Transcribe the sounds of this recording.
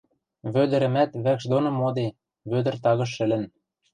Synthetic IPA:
βød̪ɘ̆ɾɘ̆mæt̪βækʃd̪onomod̪e | βød̪ə̆rt̪ɑɣɤ̆ʃ̬ɘ̆lɘ̆n

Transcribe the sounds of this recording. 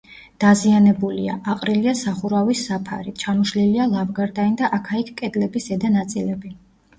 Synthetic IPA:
d̪̥azianɛbuliaʔaqʼɾiliasaχuɾavisːapʰa̰ɾit͡ʃʰamuʃlilialˠavɡaɾd̪aind̪aʔakʰaikʰkʼɛd̪lɛbisɛd̪anat̪sʼilɛbi

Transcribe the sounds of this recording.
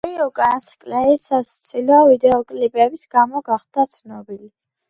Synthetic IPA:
iukʼanasʰkʼlɛisast̪sʰilɔvid̪ɛɔkʼlipʼɛbisɡamɔɡaχd̪at̪sʰnɔbili

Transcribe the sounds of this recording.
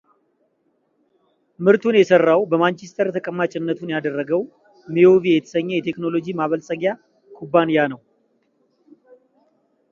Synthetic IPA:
mɨɾt̪ʰunjɛsərːawbəmant͡ʃest̪ʰəɾt̪ʰəkʼəmːat͡ʃʼɪnːət̪ʰunjad̪ərːəɡəw | mijovijɛt̪ʰə̥səɲːɛjɛt̪ʰe̞kno̞lo̞d͡ʒimaβəlsʼəɡja | kʰubːanijanəw

